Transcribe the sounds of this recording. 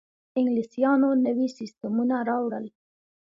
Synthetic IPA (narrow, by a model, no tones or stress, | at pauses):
ɪŋɡlisijɑnonəwisɪst̪amunaɾɑwɽəl